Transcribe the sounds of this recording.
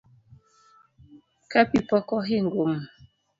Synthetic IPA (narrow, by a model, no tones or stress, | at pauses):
kapipɔkɔɦiŋɡwom